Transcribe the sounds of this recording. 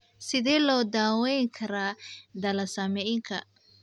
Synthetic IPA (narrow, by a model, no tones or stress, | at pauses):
sɪðɛːlɔːd̪aːwɛjŋkʰɐɾaːd̪ɐlɐsɐmɛjɪŋkʰɐ